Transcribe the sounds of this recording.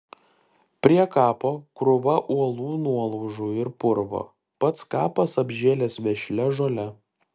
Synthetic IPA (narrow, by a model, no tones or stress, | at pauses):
pʲɾʲiɛkɑːpoːkɾʊʋɐʔuɔlˠuːnuɔlˠɔʊʒuːɪɾpʊɾʋo̰ː | pɐt̪skɑːpɐsɐbʲʒʲeːlʲɛːsʋʲɛʃʲlʲɛʒoːlʲɛ